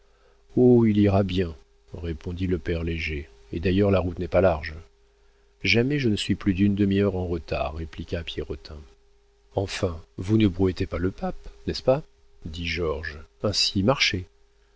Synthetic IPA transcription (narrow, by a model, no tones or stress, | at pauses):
oiliʁabjɛ̃ | ʁepɔ̃d̪iləpɛʁleʒe | ed̪ajœʁlaʁut̪nɛpalaʁʒ | ʒamɛʒənəsɥiplyd̪ynd̪əmiœʁɑ̃ʁət̪a̰ʁːeplikʲapjeʁɔt̪ʰɛ̃ | ɑ̃fɛ̃vunəbʁuɛt̪epaləpapnɛspa | d̪iʒɔʁʒɛ̃simaʁʃe